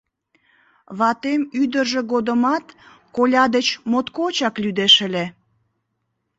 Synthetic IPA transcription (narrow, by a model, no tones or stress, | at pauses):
βɑt̪emyd̪ərʒĕɣod̪əmɑt̪ | kolʲɑd̪et͡ɕmot̪kot͡ɕɑklyd̪eʃəlʲe